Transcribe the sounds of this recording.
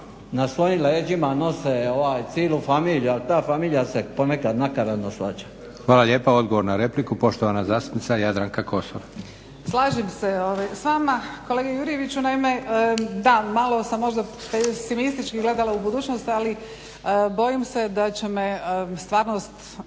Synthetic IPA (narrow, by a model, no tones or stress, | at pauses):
nasʋo̞jimleːd͡ʒimano̞seoʋaːjt̪siːlufamiːlijualit̪aːfamiːlijaseponekad̪nakaɾanosʋat͡ʃḁ | xʋaːlaʎeːpao̞d̪ɡo̞ʋo̞ɾnaɾe̞plikupo̞ʃt̪oʋanazaːst̪u̥pnit̪ajad̪ɾaŋkakʰo̞soʋa | slˠaːʒimseoʋajsʋamako̞leːɡejuɾije̞ʋit͡ɕunaime̞d̪amalˠo̞samːo̞ʒd̪apesimist̪it͡ʃkiɡle̞d̪alˠaubud̪uːt͡ɕnost̪ali | bo̞jimse̞d̪at͡ɕe̞mest̪ʋaːɾnost̪